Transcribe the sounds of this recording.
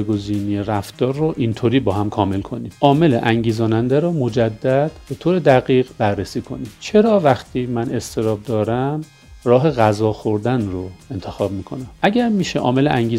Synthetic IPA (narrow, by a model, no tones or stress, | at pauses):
ɡo̞ziːnieɾæft̪ɒːɾːoʔint̪ʰoːɾiːbɒːɦæmkʰɒːme̞lkʰo̞niːmʔɒːme̞lḛʔæŋɟiːzɒːnænd̪æɾɔːmo̞d͡ʒæd̪ːæd̪̥b̥e̞t̪ʰoːɾe̞d̪æɣiːɣbærːesiːkʰo̞̰nimt͡ʃʰe̞ɾɒːvæxt̪ʰiːmæne̞st̪ʰe̞ɾɒːb̚d̪ɒːɾæm | rɒːɦe̞ɣæzɒːxoɾd̪ænroe̞nt̪ʰe̞xɒːb̚miːkʰo̞næmʔæɟæɾmiːʃeʔɒ̰ːme̞leʔæŋɟiː